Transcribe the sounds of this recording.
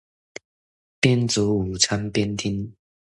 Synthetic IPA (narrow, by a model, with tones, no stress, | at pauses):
pjɛ˥˦nt͡su˨˦u˨˩t͡sʰa˦npjɛ˦nt̪ʰi˥n